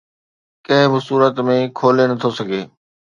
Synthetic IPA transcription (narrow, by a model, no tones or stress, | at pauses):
kɐ̃ɦɪ̃bɪsuːɾət̪mẽkʰoːlenɐt̪ʰosɐɡʱeː